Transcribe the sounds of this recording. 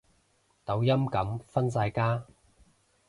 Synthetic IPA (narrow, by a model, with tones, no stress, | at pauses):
t̪ɐ˨˥wjɐ˥mkɐ˨˥mfɐ˥nsaː˧jkaː˥